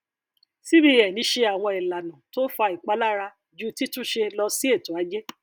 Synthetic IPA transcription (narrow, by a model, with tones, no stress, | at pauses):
si˦bi˦ɛ˨nĩ˨˦ʃe˧a˨w̃ɔ̃˧i˨la˨nã˨to˦fa˧i˨k͡pa˨˦la˦ɾa˧ | d͡ʒu˦ti˦tũ˦ʃe˧lɔ˧si˦e˦˨to˨a˨˦d͡ʒe˦